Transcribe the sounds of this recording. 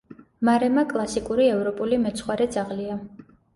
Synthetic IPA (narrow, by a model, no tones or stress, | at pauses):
maɾɛmakʼlˠasikʼuɾiɛvɾɔpʼulimɛt̪sʰχwaɾɛd̪zaʁlia